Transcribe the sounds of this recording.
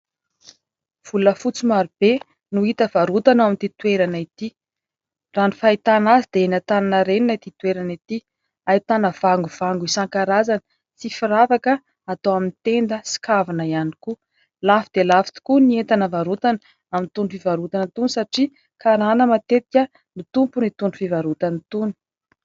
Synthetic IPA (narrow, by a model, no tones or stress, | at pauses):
v̥uləfut͡simaɾub̥e | nuit̪əvaɾut̪anamint̪it̪ueɾanəit̪i | ranifait̪anazid̪̥eenat̪ananəɾeninat̪it̪weɾanit̪i | ait̪anəv̥aŋɡuv̥aŋɡuisaŋkaɾazanə | t͡sifiɾavakə | at̪owamint̪end̪əsi̥kavinəianiku | lafid̪elafi̥t̪u̥kuniet̪anəvaɾut̪anə | amint̪unifivaɾut̪anət̪unisaʈ͡ʂi | kaɾanəmat̪et̪ikʲə | mit̪umpunit̪unufivaɾut̪anit̪uni̥